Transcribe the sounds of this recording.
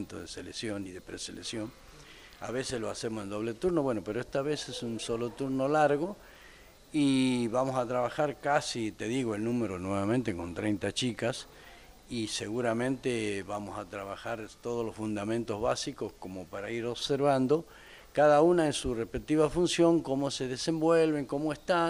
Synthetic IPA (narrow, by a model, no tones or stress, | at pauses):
nt̪oðeseleksjoniðe̞pɾḛsḛleksjo̞ŋ | a̰βesesloase̞mosend̪o̞βle̞t̪uɾno̞βweno̞peɾoest̪aβesesunso̞lot̪uɾnolaɾɣo̞ | iβamosat̪ɾaβaxaɾkasit̪e̞ðiɣoe̞lnũmeɾonweβamẽnt̪e̞ko̞nt̪ɾejnt̪at͡ʃikas | ise̞ɣuɾamẽ̞nt̪eβamosat̪ɾaβaxaɾt̪oð̞olosfund̪amẽnt̪o̞zβasikosko̞mopaɾaiɾo̞βseɾβand̪o̞ | kaðaunaensurehpek̚t̪iβafunsjo̞ŋko̞mose̞ðesembwe̞lβeŋkomoest̪a